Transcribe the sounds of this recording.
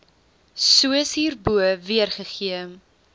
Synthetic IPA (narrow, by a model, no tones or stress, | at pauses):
suəsɦiːrbuəviərχəχiə